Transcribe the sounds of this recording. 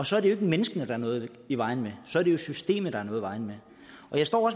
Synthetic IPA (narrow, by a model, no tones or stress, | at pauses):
ɒ̽sɒ̽æɐɾejoeɡ̥əmenəsɡ̥ənəd̥ɑ̈æɐnɔ̽ːð̩ˠ | iʋɑ̈ɪ̰n̩mesɒ̽æɐɾ̥e̝jo̝sysd̥e̝̰ːməðˠd̥ɑ̈æɐnɔːðˠʋɑ̈ɪn̩me | ɒ̽jɑsd̥ɒ̰ːɒ̽s